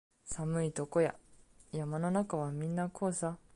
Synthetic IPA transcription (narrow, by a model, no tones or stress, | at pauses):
samɯ̟it̪o̞ko̞ja̰jamano̞nakaβamʲĩnːakʰo̞ːsa